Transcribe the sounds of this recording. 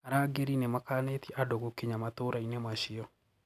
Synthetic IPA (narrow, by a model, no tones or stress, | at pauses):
aɾaɡeɾinemakanet̪ɛʔadoɣokeɲamatoɾainemaʃiɔ